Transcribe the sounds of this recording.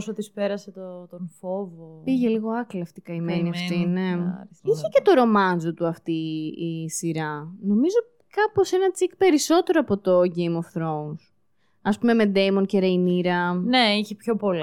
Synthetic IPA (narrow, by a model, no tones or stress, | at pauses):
sot̪ispeɾɐset̪ot̪onfovopiʝe̞liɣo̞ɐklɐft̪ikɐimeniɐft̪ineiçece̞t̪o̞ɾo̞mɐnd͡zo̞t̪uɐft̪iː | siɾɐno̞mizo̞ | kɐpo̞se̞nɐt͡sikpe̞ɾiso̞t̪e̞ɾoɐpo̞t̪o̞ʝe̞jmofθɾouns | ɐspume̞me̞d̪ejmo̞nce̞ɾeiniɾɐneiçepço̞pol